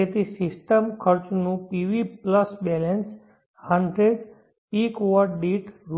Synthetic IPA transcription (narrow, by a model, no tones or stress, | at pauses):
et̪ʰisisʈəmkʰəɾt͡ʃnũpiʋipləsbɛləns | həɳɖɾeɖ | ikʋəɾʈɖiʈɾ